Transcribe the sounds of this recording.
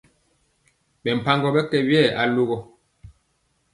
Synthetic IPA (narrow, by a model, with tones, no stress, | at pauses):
ɓɛ˨m̩˨pa˦ŋɡɔ˨bɛ˦kɛ˨bjɛ˦˨a˨lo˦ɣɔ˨